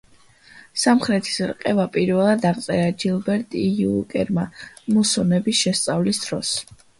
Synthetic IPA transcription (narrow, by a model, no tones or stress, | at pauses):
samχɾɛt̪ʰi̥sɾqʼɛvapʼiɾvɛlˠad̪aʁt̪sʼɛɾad͡ʒilˠbɛɾt̪ʼiuukʼɛ̰ɾmamusɔnɛbisʃɛst̪sʼavlisd̪̥ɾɔs